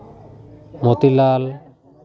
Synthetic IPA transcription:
mot̪ilal

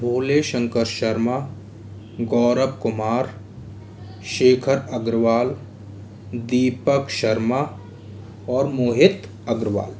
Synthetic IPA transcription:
bʱoːleʃə̃ŋkəɾʃɐɾma | ɡɔːɾəbkʊmaːɾ | ʃeːkʰəɾɐɡɾʋaːl | d̪iːpəkʃɐɾma | ɔːɾmoːɦɪt̪ | ɐɡɾʋa̰ːl

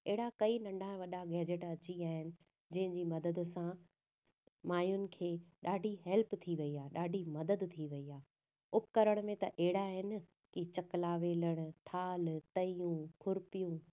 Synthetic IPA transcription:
ɛɦɪɽakɐinɐ̃ɳɖʱãʋɐɗaɡɛːd͡ʑɪʈɐt͡ɕiaːɦɪnɪ̆ | d͡ʑɐ̃ɦɪ̃ɲd͡ʑiːmɐd̪əd̪̆sã | maːjʊnɪ̆kʰeːɗaːɖʱiɦɛlpt̪ʰiʋɐiaːeɗaːɖʱimɐd̪əd̪t̪ʰiʋɐiaː | ʊpkɐɾəɽ̃mẽt̪ɐʔɛɦɪɽaɦɪnɪ̆ | kit͡ɕɐklaːʋeːləɽ̃t̪ʰaːlt̪ɐijũkʰʊɾpijũː

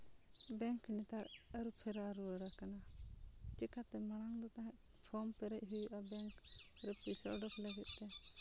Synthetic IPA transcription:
bɛŋknit̪aɾəɾupʰɛɾaɾuəɽakana | t͡ʃɛkat̪ɛmaɽ̃aŋd̪ɔt̪aɦɛʔ | pʰɔmpɛɾɛʔ̚ɦiʔabɛŋkɾɛpisɔ̰ɖɔkləɡɛt̪̚ˀt̪ɛ

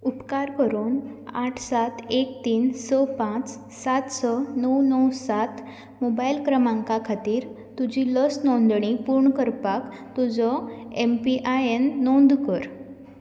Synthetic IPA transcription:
upkaɾkəɾuːnaʈʰsat̪ʰekt̪iːnsɔpãt͡s | sat̪sɔnəwnəwsat̪ | mobailkɾəmãŋkakʰat̪iːɾ | t̪ud͡ʑilɔsnɔ̃nd̪ɳ̃ipuːɾɳkəɾpakt̪ud͡zɔempiʔaenːõnd̪kəɾ

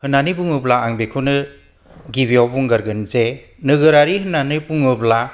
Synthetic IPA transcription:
hɯnanɯbuŋɯblaaŋbekʰɯnɯ | ɡibijawbuŋɡaɾɡɯnze | nɯɡɯɾaɾihɯnanɯbuŋɯbla

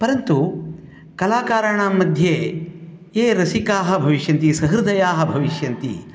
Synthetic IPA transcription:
pɐɾɐnt̪u | kɐlaːkaːɾɐɳaːmːɐd̪ʱjeː | eːɾɐsikaːɦɐ̆bʱɐʋiʃjɐnt̪isɐɦɾɨd̪ʱɐjaːɦɐ̆bʱɐʋiʃjɐnt̪ḭ

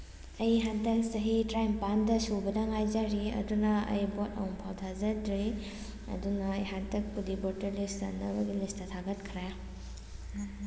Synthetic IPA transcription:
ɐjɦadɐsɐɦitɾajmpandɐsubɐdaŋajd͡ʒaɾiɐ̰dunɐɐ̰jbotɐ̰wmpʰawt̪ʰazadɾi | ɐ̰dunɐːjɦatɐk̚pudibɔtɐɾlista̰nabɐɡilistɐt̪ʰaɡɐt̚kʰɾaj

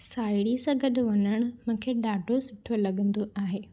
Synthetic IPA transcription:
saːɪɽisãɡɐɗʊʋɐɲəɽ̃mʊ̃ːkʰeːɗaːɖʱosɪʈʰolɐɠə̃nd̪oʔaːɦeː

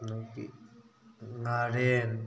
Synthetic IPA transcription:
nukḭ | ŋaɾen

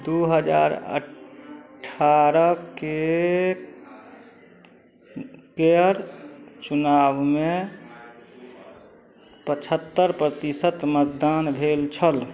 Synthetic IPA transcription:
d̪uɦəd͡ʒa̰ːɾə̰ | ʈʰaɾəke | keəɾt͡ʃunaːbme | pət͡ʃʰət̪ːəɾpɾət̪isət̪mət̪̚d̪aːnbʱelt͡ʃʰəl

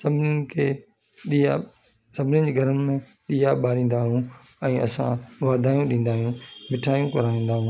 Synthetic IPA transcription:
sɐbʱɪnkʰeː | ia | sɐbʱɪnɪd͡ʑeːɡʱɐɾəmmẽ | ɗiːjaɓaːɾĩːn̆d̪aːɦũ | ɛ̃ːɐsã̰ʋaːd̪ʱaːjũɗĩːn̆d̪aːɦijũːmɪʈʰaːjũkɐɾaːĩːnd̪aːɦũː

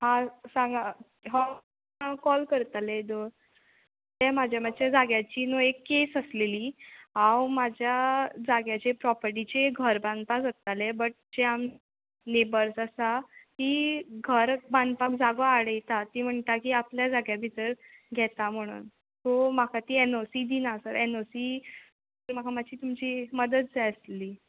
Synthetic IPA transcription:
ɦãsãŋɡa | ɦa | kɔlkəɾt̪aled̪oɾ | t̪ɛmad͡ʑʱjamat͡ɕad͡zaɡjat͡ɕiːnoekːesəsleliːɦãwmad͡ʑʱjad͡zaɡjat͡ɕepɾɔpəɾʈ̬it͡ɕeɡʱəɾbãnd̪pasət̪alebəʈ̚d͡ʑeam | nebəɾsəsat̪iːɡʱəɾband̪̚pakd͡zaɡoaɽəjt̪at̪iːm̤əɳt̪akiːapljad͡zaɡjabʱit̪əɾɡʱɛt̪am̤əɽ̃ṵːn | t̪om̤akat̪iːenosiːd̪inasəɾenosi | əɾm̤akʰamat͡ɕiːt̪umt͡ɕiːməd̪ət̪̚d͡zaəsliː

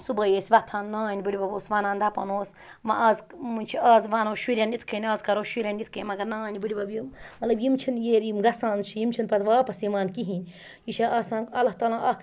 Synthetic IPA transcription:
subɐjeːsʲʋɐt̪ʰaːnnaːnʲibɨɽʲibɐboːsʋɐnãːnd̪ɐpɐ̰noːs | mɐʔaːz | munʲt͡ʃʰiaːzʋɐnoːʃiɾʲɐnit̪ʰkʰɐnʲaːzkɐɾoːʃiɾʲɐnit̪̚ʰkʰeːmɐɡɐɾnaːnʲibɨɽibɐbjimmɐt̪lɐbjimt͡ʃʰinjeːɾiːmɡɐsãːnt͡ʃʰijimt͡ʃʰinpɐt̪ʋaːpɐsimaːnkiɦiːnʲ | jiʃeʔaːsãːnɐlɐht̪aːlãːʔɐk

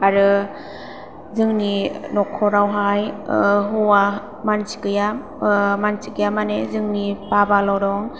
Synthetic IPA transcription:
aɾɯ | zɯŋninɔkʰːɔɾawɦajɦɔwa | mansi̥kɯja | mansikɯjamanezɯŋnipabalawɾɔŋ

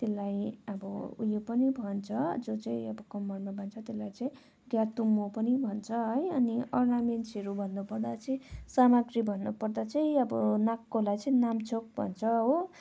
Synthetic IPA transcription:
t̪elːajʌbʌṵjopʌnibʱʌnt͡sʰʌd͡zot͡sʌĩʌbʌkʌmːʌrmabʱʌnt͡sʰʌt̪elːajt͡sʌĩ | ɡjat̪umːopʌnibʱʌnt͡sʰʌɦʌjʌniʌrnamensʰeɾubʱʌnːupʌrd̪at͡sʌĩsamaɡribʱʌnːupʌrd̪at͡sʌĩʌbʌnakːolajt͡sʌĩnamt͡sʰok̚bʱʌ̰nt͡sʰʌɦo

